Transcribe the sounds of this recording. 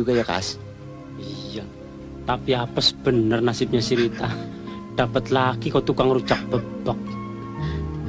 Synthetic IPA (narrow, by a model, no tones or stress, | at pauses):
uɡajaka̰s | ija | t̪apiapəsb̥ənərnasɪp̚ɲat͡ʃiɾit̪a | ɖ̥a̤pət̪laɡikɔt̪ukaŋrut͡ʃak̚b̥əb̥ək̚